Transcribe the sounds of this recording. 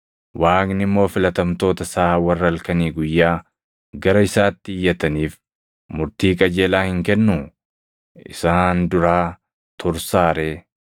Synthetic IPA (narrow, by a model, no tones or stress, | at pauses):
wʔaːknɪmːo̞ːfɪlɐt̪ɐmt̪o̞ːt̪ɐsaːwɐrːɐlkɐniːɡʊjːaː | ɡɐɾɐɪsaːt̪ːɪɪjːɐt̪ɐniːf | mʊɾt̪iːkʼɐd͡ʒeːlaːhɪŋkɛnːʊ | ɪ̰saːnd̪ʊɾaː | t̪ʰʊɾsaːɾeː